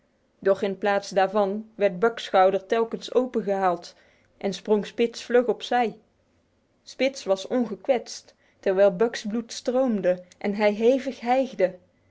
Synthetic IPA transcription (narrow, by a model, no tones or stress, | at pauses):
dɔχɪnplaːtsdaːɹvɑnʋɛɹt̚bœksχɑwdəɹtɛlˠkənsowpəχəɦaːlˠt | ʔɛnsprɔŋspɪtsflɵχɔpsɛj | spɪtsʋɑsɔnχəkʋɛtstː | ɛɹʋɛjlˠbœksblutstrowmdəʔɛnɦɛjɦejvəχɦɛjχdə